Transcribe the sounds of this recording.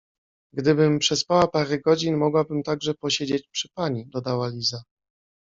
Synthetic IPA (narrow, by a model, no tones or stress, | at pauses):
ɡd̪ɘbɘmpʂɛspawapaɾɛɡɔd͡ʑinmɔɡwabɘmt̪aɡʐɛpɔɕed͡ʑet͡ɕpʂɘ̥paɲid̪ɔd̪awalʲiza